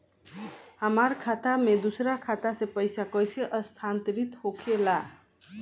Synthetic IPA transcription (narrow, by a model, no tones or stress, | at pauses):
hʌmarkʰat̪amed̪usɾakʰat̪asepʌjsakʌjsʰeʔʌst̪ʰant̪iɾit̪hokʰela